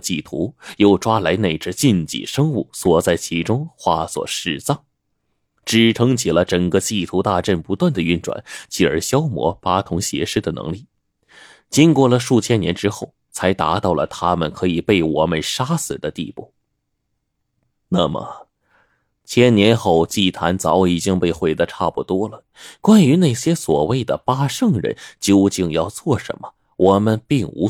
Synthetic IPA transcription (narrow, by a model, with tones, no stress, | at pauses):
t͡ɕi˥˩t̪ʰṵ˧˥jo˥˩ʊʈ͡ʂwa˥la˧˥ɪne˥˩ɪʈ͡ʂə˧t͡ɕi˥˧nt͡ɕḭ˨˩ʂɤ˥ŋu˥˩swɔ˨˩t͡sa˥˩ɪt͡ɕʰi˧˥ʈ͡ʂʊ˥ŋxwa˥˩swɔ̰˨˩ʂɻ̩˥˩t͡sɑ˥˩ŋ | ʈ͡ʂɻ̩˨˩ʈ͡ʂʰɤ˥ŋt͡ɕʰi˨˩lə˦ʈ͡ʂə˨˩ŋkə˦t͡ɕi˥˩t̪ʰu˧˥t̪a˥˧ʈ͡ʂə˥˩npu˧˥t̪wa˥˩nd̪ə˩y˥˩nʈ͡ʂwa̰˨˩˦nt͡ɕʰi˨˩ə̰˞˧˥ɕjɑ˥ʊmwɔ̰˧˥pa˥t̪ʰʊ˧˥ŋɕjɛ̰˧˥ʂɻ̩˥d̪ə˨nɤ̰˧˥ŋli˥˩ | t͡ɕi˥nkwɔ˥˩lə˨ʂu˥˩t͡ɕʰjɛ˥njɛ̰˧˥nʈ͡ʂɻ̩˥xo˥˩ʊ | t͡sʰa˧˥ɪt̪a˧˥t̪ɑ˥˩ʊlə̰˩t̪ʰa˥mə˨nkʰɤ˧˥i˨˩pe˥˩ɪwɔ˨˩mə˧nʂa˥sɹ̩˨˩d̪ə˦t̪ḭ˥˧pṵ˥˩ | na˥˩mə̰˩ | t͡ɕʰjɛ˥nnjɛ˧˥nxo˥˩ʊt͡ɕi˥˩t̪ʰa˧˥nt͡sɑ˧˥ʊi˨˩t͡ɕi˥ŋpe˥˧ɪxwe˥˩ɪd̪ə˧ʈ͡ʂʰa˥˩pṵ˧˩t̪wɔ˥lə˨ | kwa˥ny˧˥na˥˩ɪɕjɛ˥swɔ˨˩we˥˩ɪd̪ə˩pa˥ʂɤ˥˩ŋɻə̰˧˥nt͡ɕjo˥˧ʊt͡ɕi˥˧ŋjɑ˥˧ʊt͡swɔ˥˩ʂə̰˧˥nmə̥˧ | wʔɔ˨˩mə˧npi˥˩ŋṵ˧˥